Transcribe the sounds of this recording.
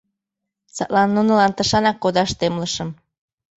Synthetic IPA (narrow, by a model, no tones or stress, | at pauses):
sɑt̪lɑnːunə̆lɑnt̪əʃɑnɑkːod̪ɑʃt̪emləʃəm